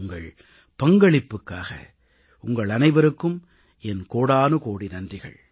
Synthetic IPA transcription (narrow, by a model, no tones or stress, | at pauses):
ŋɡɐɭ | pɐŋɡɐɭɪpːɯkːaːɣɐ̰ | ʊŋɡɐɭɐnɐɪʋɐɾɯkːɯm | ɛnkoːɽaːnɯkoːɽinɐndrɪɣɐ̰ɭ